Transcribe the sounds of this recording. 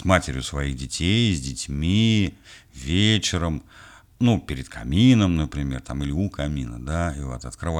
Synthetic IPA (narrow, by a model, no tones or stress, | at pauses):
smatʲɪɾʲjʊsvɐiɣdʲɪtʲejzʲdʲɪtʲmʲi | vʲet͡ɕɪɾəm | nupʲɪɾʲɪd̪kʰɐmʲinəmnəpɾʲɪmʲe̞̰rt̪amɪlʲɪukɐmʲinə̰d̪aivoɐt̪ɐt̪kɾɨva